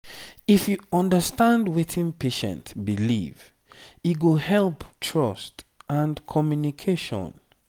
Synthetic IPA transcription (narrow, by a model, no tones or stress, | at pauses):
ifjuɔ̃ndəstãndwetʰĩnpʰeʃɛ̰̃ntbilḭv | iɡuhɛlptʰɹɔstãnkʰɔmjunikʰeʃɔ̰̃n